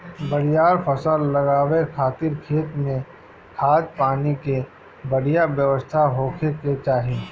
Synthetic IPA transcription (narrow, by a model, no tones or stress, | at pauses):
bəɽijaːɾpʰəsəlːɐɡaːwekʰaːt̪ɪɾkʰeːt̪mẽ | kʰaːt̪̚paːnike | bəɽ̤ijabjəʋəst̪ʰaɦoːkʰeket͡ʃaːɦi